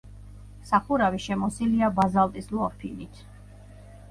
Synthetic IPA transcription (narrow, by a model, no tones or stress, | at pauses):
saχuɾaviʃɛmɔsiliabazalˠt̪ʼislɔpʰinit̪ʰ